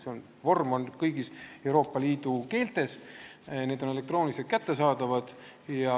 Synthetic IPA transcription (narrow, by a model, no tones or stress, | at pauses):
seon | vo̞rmo̞nkɤjɡise̞wɾo̞ːpːˑɑliːd̪̥uke̞ːlt̪e̞sne̞ːd̪̥o̞nele̞k̚t̪ro̞ːniset̪̚kæt̪ːe̞s̬ɑːd̪ɑvɑd̪̥jɑ